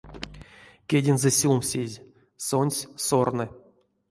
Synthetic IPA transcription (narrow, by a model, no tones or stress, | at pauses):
kʲedʲɪnzɨsʲumsʲezʲ | sonʲsʲsornɨ